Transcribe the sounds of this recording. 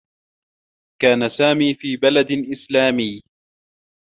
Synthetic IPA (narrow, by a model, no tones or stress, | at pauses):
kaːnasaːmiːfiːbalad̪ʔɪslaːmɪjː